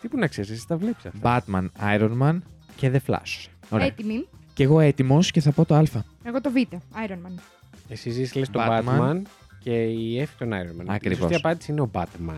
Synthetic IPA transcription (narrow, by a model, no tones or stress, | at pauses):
t̪ipunɐksesest̪ɐvlepsɐ̰bɐt̪mɐnɐiɾo̞nmɐn | ceðeflɐ̰so̥se̥oɾeɐt̪imice̞ɣo̞e̞t̪imo̞sce̞θɐpo̞t̪oɐlfɐ | eɣo̞t̪o̞vit̪e̞ɐjɾonmɐn | esizislest̪ɐbɐt̪mɐmɐn | ce̞iefi̥t̪onɐiɾonmɐ̰nɐkiɾivsoso̞̰isɐpɐnd̪isiineo̞bɐt̪mɐ̰n